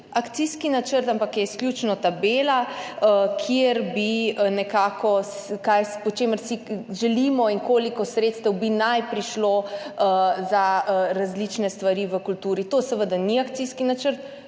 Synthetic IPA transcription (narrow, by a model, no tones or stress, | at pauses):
akt̪siskinat͡ʃəɾt̪ampakjɛisklʲjut͡ʃnɔt̪abeːlaəkʰjeɾbinɛkaːkɔskajspɔt͡ʃeməɾsiʒɛliːmɔiŋkoːlikɔsɾet̪st̪əwbinajpɾiʃloəzaɾazlit͡ʃnɛst̪ʋaɾiʋəkult̪uːɾit̪osɛʋəd̪aniak̚t̪siskinat͡ʃəɾt̪